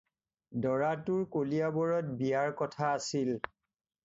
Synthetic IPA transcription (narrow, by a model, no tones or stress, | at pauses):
dɔɹatʊɹkoliabɔɹɔt̚bijaɹkɔtʰaːsil